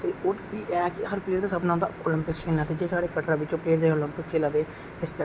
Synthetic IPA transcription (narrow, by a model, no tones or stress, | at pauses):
t̪eːoːbiːɛːkɪɦəɾpleːɾt̪aːsəbnãʊ̃ːd̪a̰ːolɪ̃mpɪkkʰeːlnaːt̪eːd͡ʒeːsaːɽeːkəʈɾãːʋɪt͡ʃõːpleːɾd̪eːoːlɪmpɪkʰeːlãːd̪eː | ɪspɛ